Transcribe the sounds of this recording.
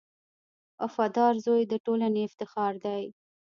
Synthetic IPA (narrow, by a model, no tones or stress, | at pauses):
afad̪ɑɾzojd̪əʈolaneɪft̪ɪxɑɾd̪aj